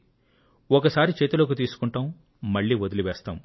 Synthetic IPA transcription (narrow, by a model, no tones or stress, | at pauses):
ɔkɐsaːɾit͡ʃeːt̪uloːk̬ut̪iːsu̥kuɳʈaːm | mɐɭːiːʋod̪uliʋɛːst̪aːm